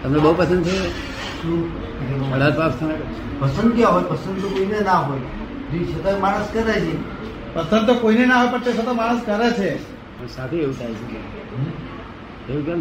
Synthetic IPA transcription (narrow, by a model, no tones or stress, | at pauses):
t̪əmnebəɦupəsənd̪t͡ʃʰe | ʃũ | əɽad͡ʒpapst̪ʰənakə | pəsənd̪̚kjãɦojpəsə̃nd̪t̪okoinenaɦoj | d͡ʒiʃət̪amaɽ̃əskəɾat͡ʃʰe | pəsənd̪̚t̪okoinenaɦepəɳt̪esət̪omaɽ̃əskəɾet͡ʃʰe | pəɳsat̪ʰeeʋut̪ʰajt͡ʃʰeke | euka